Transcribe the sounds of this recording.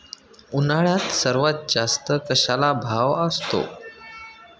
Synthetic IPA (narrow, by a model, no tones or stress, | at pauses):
unaɭjat̪səɾʋat̪̚d͡zast̪əkəɕalabʱaʋəst̪o̰